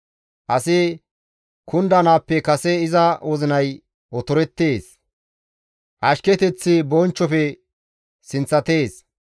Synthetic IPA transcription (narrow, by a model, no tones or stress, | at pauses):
ʔɐsɪ | kʰʊnd̪ɐnaːpːɛkɐsɛɪzɐwɔzɪnɐj | ɔt̪ɔɾɛt̪ːeːs | ʔɐʃkɛt̪ɛt͡sːɪbɔnt͡ʃːɔfɛ | sɪnt͡sːɐt̪e̞ːs